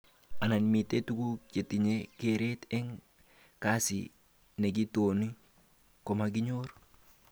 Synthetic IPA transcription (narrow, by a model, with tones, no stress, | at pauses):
a˨na˨nmi˨te˦tu˦ku˦t͡ʃe˨ti˨ɲekeɾetɛ˦ŋ | kasḭ | ne˨ɡi˦toni˦ | kɔ˨maɡi˦ɲo˦ɾ